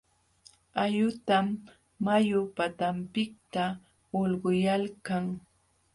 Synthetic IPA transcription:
ajʊt̪amː | ajʊpat̪ampɪk̚t̪a | olɢʊjalkaŋ

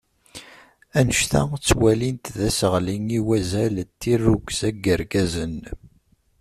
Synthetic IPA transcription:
ænəʃθæ̰t͡sːwælint̪ðæsəʁliŋiwæzælt̪ːirːuɡʷzæɡəɾɡæzən

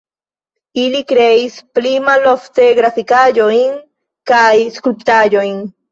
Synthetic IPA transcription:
ilikɾeisplimaloft̪eɡɾafikaʎoiŋ | kajskɾupt̪aʎojn

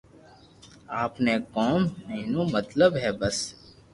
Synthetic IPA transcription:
aːpnekɔːmneːnõmɐt̪ləbɦɛːbɐs

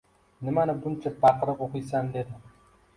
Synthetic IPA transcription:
nɪmanɪbʊnt͡ʃʰabɑqɾɨqoqɨjsand̪ed̪ɪ

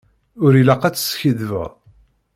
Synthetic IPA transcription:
ʊɾilɑqːæt͡sːə̥sçəðvə̰ʁ

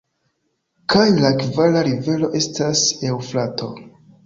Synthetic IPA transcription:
kajlakvalaɾive̞lo̞ʔe̞stase̞wflatʰo̞

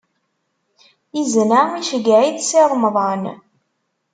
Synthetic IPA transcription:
iznamiʃəɡʕiðsɪɾˤməðˤən

